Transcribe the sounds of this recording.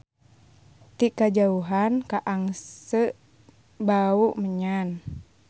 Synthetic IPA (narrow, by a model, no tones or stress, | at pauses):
t̪ikad͡ʒauɦankaʔaŋsəʔ | bauʔməɲan